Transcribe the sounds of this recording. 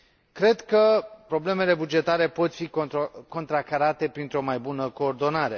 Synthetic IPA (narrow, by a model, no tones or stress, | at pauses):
kɾe̞d̪kəpɾo̞ble̞me̞le̞bud͡ʒe̞t̪aɾe̞po̞t̪fiko̞nt̪ɾakaɾat̪e̞pɾint̪ɾo̞majbunəko̞ːrd̪o̞naɾe̞